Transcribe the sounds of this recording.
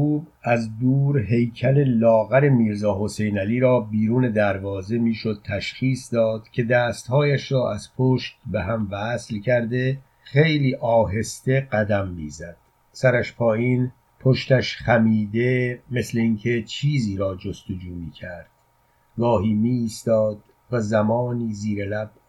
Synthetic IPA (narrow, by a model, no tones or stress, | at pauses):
uːb | æzd̪uːɾɦe̞jcʰæle̞lɒːɣæɾe̞miːɾzɒːɦo̞se̞jnæliːɾɒːbiːɾuːne̞d̪æɾvɒːze̞miːʃo̞d̪̚t̪ʰæʃxiːsd̪ɒːd̪̥cʲʰe̞d̪æːst̪hɒːjæʃɾɒːʔæz̥pʰoːʃt̪̚beɦæmvæslcʰæɾd̪e̞ | xe̞jliːʔɒːɦe̞st̪e̞ɢæd̪æmːḭːzæd̪̥̚ | sæɾæʃpʰɒːjiːn | pʰoʃt̪æʃχæmiːd̪e̞me̞sle̞inkʰe̞t͡ʃʰiːziːɾɒːd͡ʒo̞st̪o̞d͡ʒuːmiːcʰæɾd̪̥ | ɡɒːɦiːmiːst̪ɒːd̪̥ | væzæmɒːniːziːɾelæb̥̚